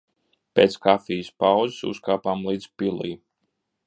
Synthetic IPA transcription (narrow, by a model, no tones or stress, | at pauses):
peːt̪skafiːjəspawzi̥sṵskaːpaːmlˠiːd̪z̥pilˠḭj